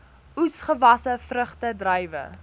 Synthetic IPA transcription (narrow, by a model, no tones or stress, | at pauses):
usχəvɐsəfrəχtədrəjvə̰